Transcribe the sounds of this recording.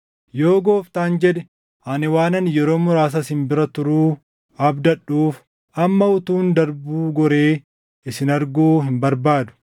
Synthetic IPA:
joːɡoːft̪aːnd͡ʒɛd̪ɛ | ʔanɪwaːnɐnjɛɾo̞ːmʊɾaːs̬ɐsɪmbɪɾɐt̪ʊɾuː | ɐbd̪ɐᶑːuːf | ɐmːɐʊt̪uːnd̪ɐɾbuːɡɔɾeː | ɪsɪnɐɾɡoːɦɪmbɐɾbaːd̪ʊ̥

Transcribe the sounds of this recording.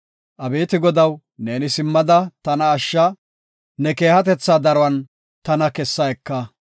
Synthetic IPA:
ʔɐbeːt̪ɪɡɔd̪ɐw | ne̞ːnɪsɪmːɐd̪ɐt̪ɐnɐːʃːɐ | nɛke̞ːhɐt̪̬ɛt͡sːad̪ɐɾɔɐn | t̪ɐnɐkɛsːɐjɛkːɐ

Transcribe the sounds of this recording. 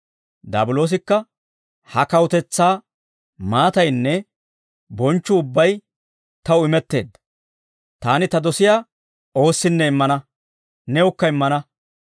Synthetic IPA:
d̪a̰ːbʊlo̞ːs̬ɪkːɐ | hɐkɐwʊt̪ɛt͡sːaː | maːt̪ɐjnːɛ | bɔnt͡ʃːʊːʊbːɐj | t̪ɐwʊɪmɛt̪ːe̞̰ːd̪ːɐ | t̪aːnɪt̪ɐd̪ɔsɪjaː | o̞ːsːɪnːɛɪmːɐnɐ | nɛʊkːɐɪmːɐnɐ

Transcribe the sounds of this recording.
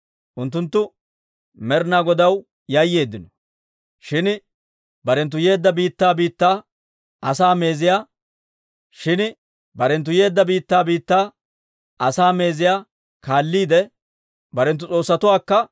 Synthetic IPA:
ʔʊnt̪ːʊnt̪ːʊ | mɛɾnaːɡɔd̪ɐw | jɐjːe̞ːd̪ːɪnɔ̥ | ʃɪn | bɐɾɛnt̪̬ːʊje̞ːd̪ːɐbiːt̪ːaːbiːt̪ːaː | ɐsaːme̞ːzɪjaː | ʃɪn | bɐɾɛnt̪̬ːʊje̞ːd̪ːɐbiːt̪ːaːbiːt̪ːaː | ʔɐsaːme̞ːzɪjaː | kaːlːiːd̪ɛ | bɐɾɛnt̪̬ːʊt͡sʼo̞ːsːɐt̪ʊwaːkːɐ

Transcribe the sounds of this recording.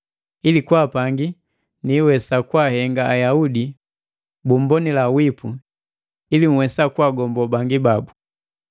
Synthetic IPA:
ilikwaːpaŋɡi | niːwɛsakwahɛŋɡaːjaudi | bum̩bɔnilawipu | ilim̩wɛsakwaːɡɔmbɔbaŋɡibabu

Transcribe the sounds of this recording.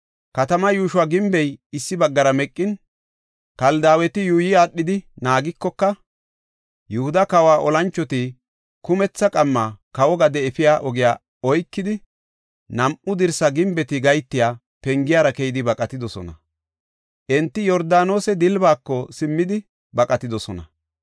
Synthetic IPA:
kɐt̪ɐmɐjuːʃʊwaːɡɪmbɛjɪsːɪbɐɡːɐɾɐmɛkʼːɪn | kɐld̪aːwɛt̪ɪjuːjɪaːɗːɪd̪ɪnaːɡɪkːɔkːɐ | jʊhʊd̪ɐkɐwaːʔɔlɐnt͡ʃːɔt̪i | kʊmɛt͡sːɐkʼɐmːaːkɐwɔɡɐd̪ɛɛfɪjaːʔɔɡɪjaː | ɔjkːɪd̪ɪ | nɐmʔʊd̪ɪɾsɐɡɪmbɛt̪ɪɡɐjt̪ːɪjaː | pɛŋɡɪjaːɾɐkɛjɪd̪ɪbɐkʼɐt̪ɪd̪ɔsɔ̰nɐ | ʔɛnt̪ːɪjɔɾd̪aːno̞ːsɛd̪ɪlbaːkːɔsɪmːɪd̪ɪ | bɐkʼɐt̪ɪd̪ɔsɔnɐ

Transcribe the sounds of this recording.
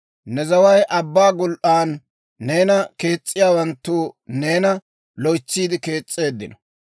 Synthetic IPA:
nɛzɐwɐjʔɐbːaːɡʊlʔaːnː | e̞ːnɐke̞ːt͡sʼːɪjaːwɐnt̪ːuːne̞ːnɐ | lɔjt͡sːiːd̪ɪke̞ːt͡sʼːe̞ːd̪ːɪnɔ

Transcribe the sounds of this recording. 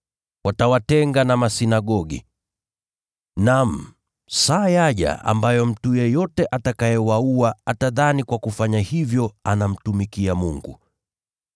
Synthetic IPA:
watawatɛŋɡanamasinaɠɔɠḭ | nam̩ | sajaʄa̰ʔa̰mbajɔm̩tujɛjɔtɛʔatakajɛwauaataðanikwakufaɲahivjɔanam̩tumikiamuŋɡṵ

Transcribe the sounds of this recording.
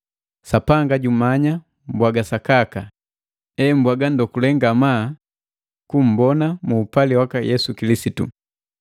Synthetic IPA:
sapaŋɡaɟumaɲa | m̩bwaɡasakaka | ɛm̩bwaɡan̩dɔkulɛŋɡama | kum̩bɔnamuːpaliwakajɛsukilisitṵ

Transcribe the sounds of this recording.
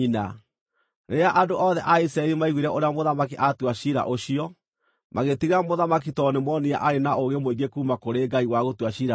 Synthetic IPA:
ina | neaʔandoʔɔðɛʔaisɾaɛɾimaiɣwiɾɛʔoɾeamoðamakiʔatwaɕiɾa̰ʔoɕiɔ | maɣetiɣamoðamak̬itɔnemwɔnia̰ʔaɾenaʔoɣemoeɡekuːmakoɾeɡaiwaɣotwaɕiːɾa

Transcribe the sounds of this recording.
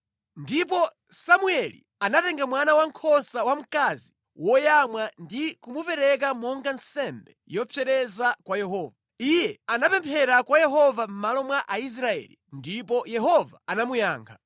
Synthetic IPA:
ndipɔ | samuɛlḭ | anatɛŋɡamwanawaŋkʰɔsawam̩kazi | wɔjamwandikumupɛɾɛk̬amɔŋɡansɛmbɛjɔpʰɛɾɛzakwajɛɦɔːva | ijɛanapɛmpʰɛɾakwajɛɦɔvam̩malɔmwaʔais̬ɾaɛ̰ːlḭndipɔjɛɦɔvaanamujaːŋkʰa

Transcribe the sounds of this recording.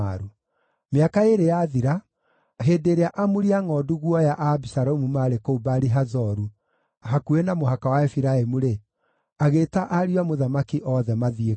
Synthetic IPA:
aɾu | meakaeɾejaðiɾa | ɦeːdeɾeaʔamuɾiaŋɔːduɣwɔjaʔabisaɾomumaɾekoubaɾiɦazɔɾu | hakuenamoɦakawaɛfiɾaemuɾe | aɣetaʔaɾiwamoðamakiʔɔðɛmaðie

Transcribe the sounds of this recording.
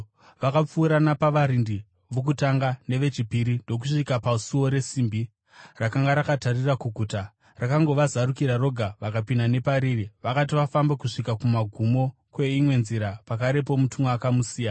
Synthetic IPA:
ʋakap͡fuːɾanapaʋaɾindi | ʋok̬utaŋɡane̞ʋe̞t͡ʃipiɾindo̞k̬uʂikapasuo̞ɾe̞siːmbi | rakaŋɡaɾakatarirakuɡʱuːta | rakaŋɡo̞ʋazaɾukiɾaro̞ɡʱaʋakapinane̞paɾiːriʋakat̬iʋafambekuʂikakumaɡʱumo̞ | kwe̞imwe̞nziɾapakaɾe̞p̬o̞mutumakamusiːjana

